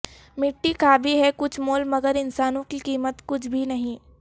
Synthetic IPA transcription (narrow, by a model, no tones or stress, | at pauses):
mɪʈːikʰaːbʱiɦɛkʊt͡ʃʰmoːlmɐɡəɾɪnsaːnõkikiːmət̪kʊt͡ʃʰbʱinɐɦĩː